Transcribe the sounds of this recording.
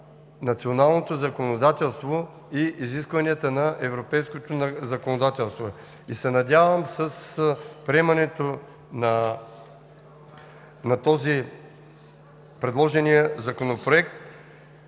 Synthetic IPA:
nɐt̪sionalˠnot̪ozɐkonod̪at̪ɛlˠst̪vo | iiziskvɐniət̪ənɐʔɛvɾopɛjskot̪ozɐkonod̪at̪ɛlˠst̪vo | isɛnɐd̪ʲavəmsəspɾʲɛmɐnɛt̪o | nɐ | nɐt̪ɔzi | pɾɛd̪lˠɔʒɛnijəzɐkonopɾoɛk̚t̪̚

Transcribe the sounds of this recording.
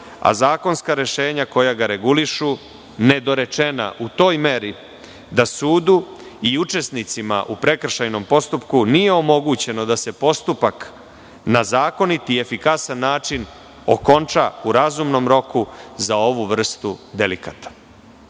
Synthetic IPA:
a̰zaːko̞nskaɾe̞ʃe̞ːɲako̞jaɡaɾe̞ɡuliʃu | ne̞d̪o̞ɾe̞t͡ʃe̞na̰ʔut̪o̞ːjme̞ɾi | d̪asuːd̪u | iut͡ʃe̞snit̪sima̰ʔupɾe̞kr̩ʃajno̞mpo̞st̪upkunije̞o̞mo̞ɡut͡ɕe̞no̞d̪ase̞po̞st̪upak | nazaːko̞nit̪ie̞fikasanːaːt͡ʃin | o̞̰ko̞nt͡ʃauɾazumno̞mɾo̞kuzao̞ʋuʋr̩st̪ud̪e̞likat̪ḁ

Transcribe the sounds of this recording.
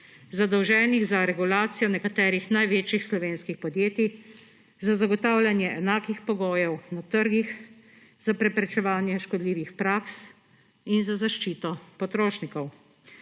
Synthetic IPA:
zad̪ɔwʒɛːniɣzaɾɛɡulaːt̪sijɔnɛkat̪ɛːɾixnajʋeːt͡ʃixslɔʋeːnskixpɔd̪jeːt̪i | zazaɡɔt̪aːwlʲanjɛʔɛnaːkixpɔɡoːjɛwnat̪əɾɡix | z̥apɾɛpɾɛt͡ʃɛʋaːnjɛʃkɔd̪liːʋixpɾaːks | inzazaʃt͡ʃiːt̪ɔpɔt̪ɾoːʃnikɔw

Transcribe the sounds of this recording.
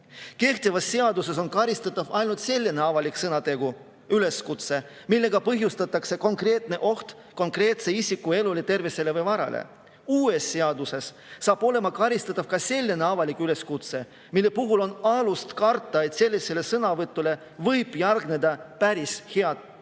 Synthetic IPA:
ke̞ht̪evɑsːe̞ɑd̪use̞so̞nkɑɾist̪ɑt̪ːˑɑvɑjnult̪se̞lʲːene̞ɑvɑliksɤnɑt̪e̞ɡ̥u | yle̞skut̪se̞ | milːe̞ɡ̥ɑpɤɦjust̪ɑt̪ːˑɑkse̞ko̞ŋkre̞ːt̪ne̞ʔo̞ht̪ | ko̞ŋkre̞ːt̪se̞isʲikːue̞lule̞t̪e̞rvese̞le̞vɤjvɑɾɑ̰lʔḛ | uːe̞sːeɑd̪use̞sː | ɑːb̥o̞le̞mɑkɑɾist̪ɑt̪ːˑɑv̥kɑse̞lʲːene̞ɑvɑlikyle̞skut̪se̞ | milːe̞puɦulo̞nɑlust̪kɑrt̪ˑːɑe̞t̪se̞lːise̞le̞sɤnɑvɤt̪ːˑule̞ | vɤjb̥jɑrɡne̞d̪ɑpæɾisheɑd̪̥

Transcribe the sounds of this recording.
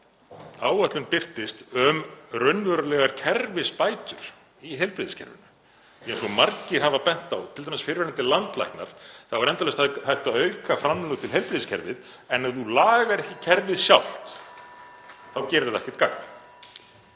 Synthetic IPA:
aːwat̪lʏnpɪr̥t̪ɪst̪œmrœɥnvœɾalɛɣaɾ̥cʰɛɾvɪspaːjt̪ʏɾ̥ | iɦɛjlpɾɪðɪscʰɛ̰ɾvɪ̰nʏ | jɛɛnsɔmaɾcɪɾ̥ɦavapɛn̥t̪awt̪ʰɪlt̪amɛsfɪɾvɛɾɪnt̪ɪlant̪la̰jhkna̰ɾ̥θaðvaɾɛnt̪alɛst̪haðhaht̪aðœɥkafɾamllœːkt̪ʰɪlɦɛjlpɾɪðɪscʰɛ̰ɾvɪð | ɛnːaðulaːɣaɾɛhcɪcʰɛɾvɪðsjawl̥t̪ | θawcɛːɾʏɾðɛhcɪ̥t̪kaka̰

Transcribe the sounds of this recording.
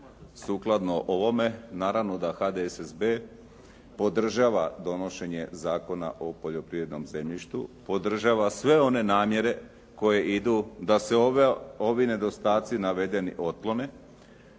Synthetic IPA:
suːklˠad̪noʔoʋo̞me̞naːɾaʋno̞d̪axad̪esezbe | po̞d̪r̩ʒaːʋad̪o̞no̞ʃe̞ɲe̞zaːko̞na̰ʔo̞po̞ʎo̞pɾiʋɾed̪no̞mze̞mʎiʃt̪ṵpo̞d̪r̩ʒaːʋasʋe̞o̞ne̞naːmje̞ɾe̞ | ko̞je̞ʔid̪ud̪aseo̞ʋine̞d̪o̞st̪aːt̪sinaʋe̞d̪e̞nḭʔo̞t̪lo̞ne̞

